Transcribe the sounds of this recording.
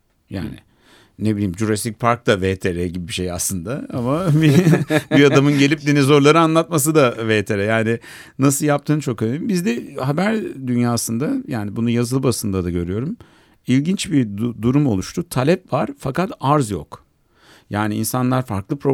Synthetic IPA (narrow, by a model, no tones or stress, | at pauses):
ja̰ːnɪ̰ | nebilʲiːmd͡ʒuɾast̪ic̚pʰaɾk̚t̪avet̪ʰeɾɛɟibibiʃeja̰slˠɯnd̪aamabibiad̪amɯnɟe̞lʲip̚d̪enezo̞ɾlˠaɾɯanlˠat̪̚mas̬ɯd̪avet̪ʰeɾɛjaːnɪ | nasɯlˠjap̚t̪ʰɯːnt͡ʃʰo̞kønʲimbizd̪ɛɦabæɾd̪ynjaːsɯnd̪ajaːnibunujazɯlˠbasɯnd̪ad̪aɟø̞ɾyjo̞ɾum | ilʲɟint͡ʃbid̪uɾumo̞lˠuʃt̪ʰut̪ʰalʲɛpvaɾ̥fakat̪aɾzjo̰k | jaːniinsanlˠaɾfaɾklˠɯpʰɾo̞